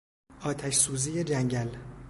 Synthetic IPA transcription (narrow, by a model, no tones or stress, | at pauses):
ʔɒːt̪ʰæʃsuːziːjed͡ʒæŋɟæl